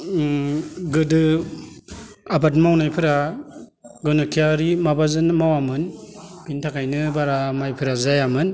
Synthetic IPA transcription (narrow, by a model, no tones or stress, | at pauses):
ɡɯdɯ | abat̬mawnajpʰɯɾa | ɡɯnɯkʰijaɾimabazɯnmawamɯnpʰintʰakʰajnɯbaɾamajpʰɯɾazajamɯn